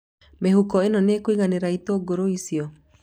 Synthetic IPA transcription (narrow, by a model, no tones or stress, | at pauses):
meɦukɔenɔnekwiɣaneɾaitoɡoɾoisiɔ